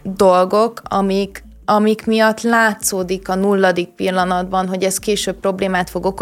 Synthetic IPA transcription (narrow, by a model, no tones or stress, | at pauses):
d̪o̞lɡo̞kʰɒ̰mik | ɒmikmijɒt̪ːlaːt̪soːd̪ikɒnulːɒd̪ik̚pilːɒnɒd̪bɒnɦo̞ɟɛst̪̚keːʃøːp̚pːro̞bleːmaːt̪fo̞ɡok